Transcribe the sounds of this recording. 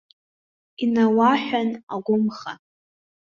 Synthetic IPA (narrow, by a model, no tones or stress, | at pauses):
inawaħʷᶣana̰ɡʷʊmχa̰